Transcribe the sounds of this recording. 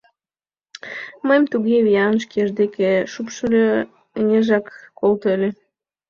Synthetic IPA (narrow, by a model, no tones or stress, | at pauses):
məjmt̪uɣeβijɑnʃ̬keʒd̪ekeʃupʃəlʲø | nʲeʒɑkːolt̪ølʲe